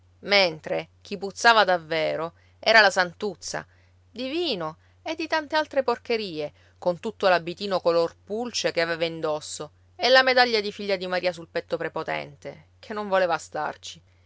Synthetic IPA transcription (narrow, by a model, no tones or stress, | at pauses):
ment̪ɾek̟iput̪sːaːvad̪avːeːɾo | ɛːɾalasant̪ut̪sːa̰ | d̪iviːno | ed̪ːit̪ant̪ealt̪ɾeporkeɾiːe | kont̪ut̪ːolabːit̪iːnokolorpult͡ʃek̟eaveːvaind̪osːo | elːamed̪aʎːad̪ifiʎːad̪imaɾiːasulpɛt̪ːopɾepot̪ɛ̰nt̪e | kʰenːoɱvoleːvast̪a̰rt͡ʃi̥